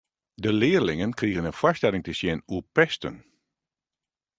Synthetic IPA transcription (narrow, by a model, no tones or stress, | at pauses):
dəlɪːərlɪŋənkriəɣənənfastɛlɪŋtəsjɪnuəpɛstə̰n